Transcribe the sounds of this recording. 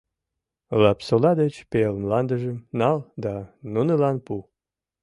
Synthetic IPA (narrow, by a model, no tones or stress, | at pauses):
lɑpsolɑd̪ət͡ɕpelmlɑnd̪ə̆ʒəmnɑld̪ɑnunəlɑnpu